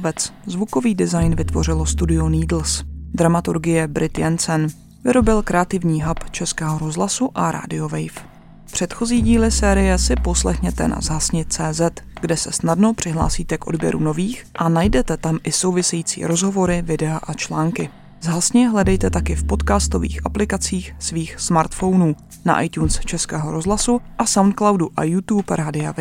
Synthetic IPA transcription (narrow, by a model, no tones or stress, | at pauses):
vɛt͡szvuko̞viːdɪzajnvɪt̪vo̞r̝ɪlo̞st̪udɪuniːdl̩sd̪ɾamat̪uɾɡɪjɛbɾɪt̪jɛnt͡sɛn | vɪɾo̞bɪlkɾɛat̪ɪvɲiːɦapt͡ʃɛskɛːɦo̞ɾo̞zɦlasuʔaɾa̰ːdɪo̞vɛjf | pr̥ɛt̪xo̞ziːɟiːlɪsɛːɾɪjɛsɪpo̞slɛxɲɛt̪ɛna̰zɦasɲɪt͡sɛːzɛt̪ɡdɛsɛ̰snadno̞pr̝̥ɪɦla̰ːsiːt̪ɛkʔo̞̰dbjɛ̰ɾʔṵno̞viːxʔanajdɛt̪ɛt̪amʔɪso̞wvɪsɛjiːt͡sḭːɾo̞zɦo̞vo̞ɾɪvɪdɛaʔat͡ʃlaːŋkɪ | zɦasɲɪɦlɛdɛjt̪ɛt̪akɪfpo̞t̪kaːst̪o̞vḭːxʔaplɪkat͡siːxsviːxsmaɾt̪fo̞wnuː | na̰ʔa̰jt̪uːnst͡ʃɛskɛːɦo̞ɾo̞zlasuʔasawnt̪̚klawduʔa̰jut̪uːpɾaːdɪav